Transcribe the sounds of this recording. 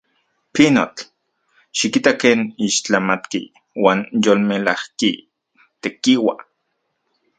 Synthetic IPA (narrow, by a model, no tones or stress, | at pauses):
pino̰t͡ɬ | ʃikit̪akeːniʃt͡ɬamat̪kḭ | waːnjolmelahki | t̪ekiwa̰